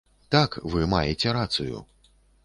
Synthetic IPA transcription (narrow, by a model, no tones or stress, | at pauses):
t̪akvɨma̰jɛt͡sʲɛɾat̪sujṵ